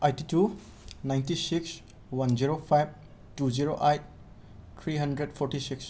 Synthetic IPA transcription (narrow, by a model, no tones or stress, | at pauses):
ajtitu | najntisiks | wanziɾopʰajb̚ | tuziɾoʔajt̚ | t̪ʰɾiɦɐndɾedpʰɔɾtisiks